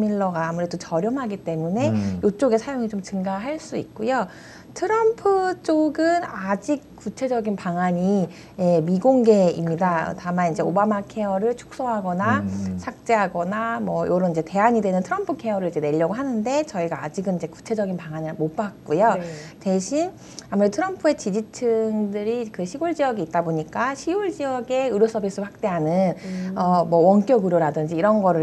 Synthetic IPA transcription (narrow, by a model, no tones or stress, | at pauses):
miɭːʌɡaːmuɾed͈ot͡ɕʌɾjʌmɦaɡit͈e̞mune̞jot͡ɕ͈oɡe̞sʰajoŋit͡ɕomt͡ɕɯŋɡaɦaɭs͈uḭk̚k͈ujo | tʰɯɾʌmpʰɯt͡ɕ͈oɡɯnad͡ʑik̚k͈ːut͡ɕʰe̞d͡ʑʌɡinpaŋaɲi | je̞miɡoŋɡe̞imɲida̰tamanind͡ʑe̞obamakʰe̞ʌɾɯɭt͡ɕʰu̥k̚s͈oɦaɡʌnasʰak̚t͡ɕ͈e̞ɦaɡʌnamwʌjoɾʌnid͡ʑe̞te̞aɲidenɯntʰɯɾʌmpʰɯkʰe̞ʌɾɯɭid͡ʑe̞ne̞ʎːʌɡoɦanɯnde̞t͡ɕʌiɡaːd͡ʑiɡɯnid͡ʑe̞ku̥t͡ɕʰe̞d͡ʑʌɡinpaŋanɯɭmop͈ak̚k͈ujote̞ɕʰin | amuɾetʰɯɾʌmpʰue̞t͡ɕid͡ʑit͡ɕʰɯŋdɯɾikɯɕʰiɡuɭd͡ʑijʌɡiːt̚t͈aboɲik͈aɕʰiuɭd͡ʑiʌɡe̞ɯɾjos͈ʰʌbis͈ɯɾɸwak̚t͈e̞ɦanɯnʌmwʌwʌnk͈jʌɡɯɾoɾadɯnd͡ʑiːɾʌnɡʌɾɯ